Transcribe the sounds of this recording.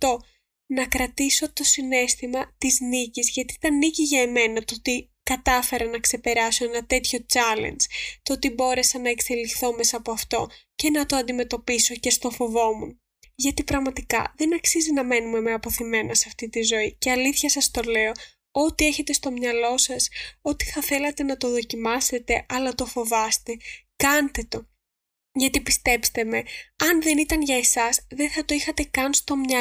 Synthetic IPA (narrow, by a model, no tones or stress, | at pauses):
t̪o̞ | nɐkɾɐt̪iso̞t̪o̞sine̞st̪imɐt̪iznicizʝɐt̪it̪ɐniciʝɐeme̞nɐt̪oot̪i | kɐt̪ɐfe̞ɾɐnɐkse̞pe̞ɾɐso̞enɐt̪e̞t̪ço̞t͡sɐlḛnd͡zt̪oot̪ibo̞ɾe̞sɐnɐekse̞lixθo̞me̞sɐpoɐft̪o̞ce̞nɐt̪o̞ɐnd̪ime̞t̪o̞piso̞ce̞st̪o̞fo̞vo̞mun | ʝɐt̪ipɾɐɣmɐt̪ikɐ̰ðe̞nɐksizinɐme̞nume̞meɐpo̞θime̞nɐsɐft̪it̪izo̞ice̞ɐliθçɐsɐst̪o̞le̞o̞ | o̞t̪ie̞çe̞t̪est̪o̞mɲɐlo̞sɐso̞t̪i̥θɐθe̞lɐt̪e̞nɐt̪o̞ðo̞cimɐse̞t̪e̞ʔɐlɐt̪o̞fo̞vɐst̪e̞kɐnt̪e̞t̪o̞ | ʝɐt̪ipist̪e̞pst̪e̞me̞ɐnðe̞nit̪ɐnʝɐe̞sɐsðe̞θɐt̪o̞ixɐt̪e̞kɐnst̪o̞mɲɐ